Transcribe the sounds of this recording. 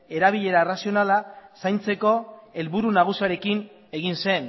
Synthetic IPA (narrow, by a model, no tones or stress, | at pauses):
e̞ɾaβ̞iʎe̞ɾaerasio̞nalasajnt͡se̞ko̞e̞lβuɾunaɣ̞usiaɾe̞kin | e̞ɣinse̞n